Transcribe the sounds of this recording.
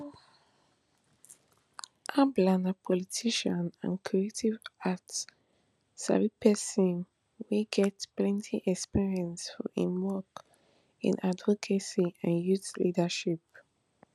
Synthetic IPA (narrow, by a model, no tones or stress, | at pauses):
ʔablãnapʰɔlitʰiʃə̃nã̰nkʰɹietʰivat | sa̰ɹipʰɛsĩn | wiɡɛtplɛ̃ntʰiʔɛkspiɹiə̃nsfɔḭ̃mwɔk | ḭ̃nadvɔkʰasiãnjuθlidəʃip̚